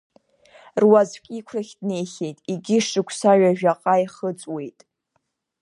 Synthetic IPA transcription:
rwazkʲʼikʷʰraχʲdne̞jχʲe̞jtʼiɡʲɪʂɨkʷʰsaɥaʒᶣaqʼajχət͡sʼwe̞jtʼ

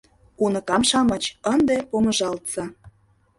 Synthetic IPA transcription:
unəkɑmʃɑmə̆t͡ɕənd̪epomə̆ʒɑlt̪sɑ

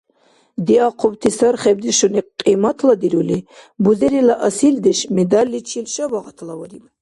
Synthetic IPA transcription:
d̪iaqʰɔbt̪ʰisaɾχɛb̚d̪iʃɔniqʼimat̪ʰlad̪iɾulibuzɛɾilaʔasild̪ɛʃmɛd̪alːit͡ʃʰilʃabaʁat̪ʰlawɔd̪im

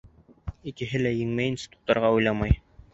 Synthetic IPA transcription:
ikɘ̆ɦɘlæjɘ̆ŋmæjinsʲi̥t̪u̥t̪ːɑɾʁɑujlˠɑmɑj

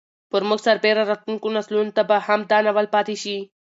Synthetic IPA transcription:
pəɾmʊɡsaɾbeɾaɾat̪unkonaslunot̪abahamd̪anawalpat̪eʃi

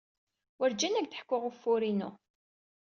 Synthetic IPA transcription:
wəɾd͡ʒænæɡ̚t̪ə̥ħkːʊʁʊfːʊɾinʊ̰

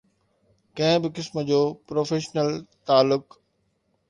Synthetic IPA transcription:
kɐ̃ɦɪ̃bɪkɪsməd͡ʑoːpɾoːfeːʃnəlt̪aːlːʊk

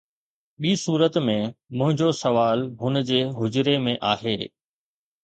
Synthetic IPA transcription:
ɓiːsuːɾət̪mẽmʊ̃ɦɪ̃ɲd͡ʑosɐʋaːlɦʊnd͡ʑeːɦʊd͡ʑɪɾemẽʔaːɦeː

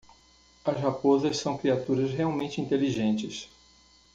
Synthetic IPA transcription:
ɐshapozɐssɐ̃w̃kɾiat̪uɾɐsɦeawmẽnt͡ʃɪĩnt̪eliʒẽnt͡ʃɪs

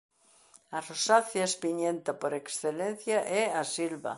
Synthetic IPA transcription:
arosaθjaespiɲẽnt̪apoɾeksθelẽn̟θjaʔɛasilβa̰

